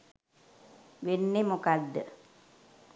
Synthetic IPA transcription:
ʋenːemokad̪ːə

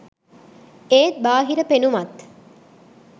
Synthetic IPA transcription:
eːt̪̚baːɦiɾəpenumat̪

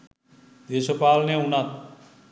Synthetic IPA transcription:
d̪esopaːlnẽunat̪

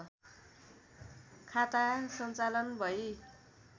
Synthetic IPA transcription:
kʰat̪asʌnt͡salʌnbʱʌj

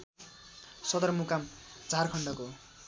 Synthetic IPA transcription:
sʌd̪ʌrmukamd͡zʱarkʰʌɳɖʌko

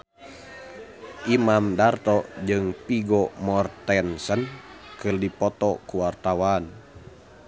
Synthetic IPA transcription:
ʔimamdart̪ɔd͡ʒɨŋpiɡɔmɔrt̪ɛnsənkɨrdipɔt̪ɔkuwart̪awan

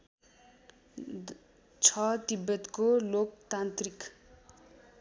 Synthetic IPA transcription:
t͡sʰʌt̪ibːʌt̪kolokt̪ant̪rik

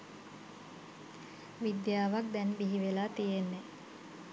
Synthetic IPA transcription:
ʋid̪jaːʋak̚d̪ɛnbiɦiʋelaːt̪ijenːe

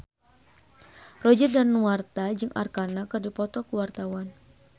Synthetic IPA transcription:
rɔd͡ʒərdanːuart̪ad͡ʒɨŋʔa̰rkanakɨrdipɔt̪ɔkuwart̪awan

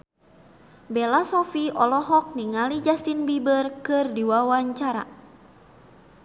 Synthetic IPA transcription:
bɛlasɔfiʔɔlɔɦɔk̚niŋalid͡ʒast̪inbibərkɨrdiwawaɲt͡ʃaɾa̰

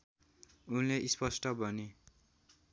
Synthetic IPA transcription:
unleʔispʌsʈʌbʱʌne

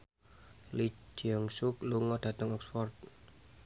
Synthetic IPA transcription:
lid͡ʒ̥iɔŋsukluŋɔɖ̥ä̤t̪əŋɔksfɔrt̪̚

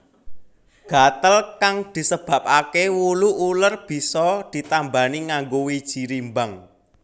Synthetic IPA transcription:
ɡ̥a̤t̪əlkaŋd̪̥i̤səb̥ä̤p̚akewuluʔulərb̥i̤sɔd̪̥i̤t̪ambaniŋaŋɡowid̥ʒ̥i̤ɾimbaŋ

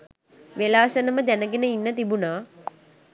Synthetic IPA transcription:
ʋelaːsənəməd̪ænəɡenəinːət̪ibunaː

